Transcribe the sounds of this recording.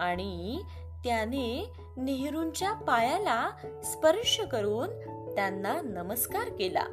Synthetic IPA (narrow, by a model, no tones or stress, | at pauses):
aɽ̃i | t̪jane | neɦɾuɲt͡ɕjapajalaspəɾʂəkəɾuːn | t̪janːanəməskaɾkela̰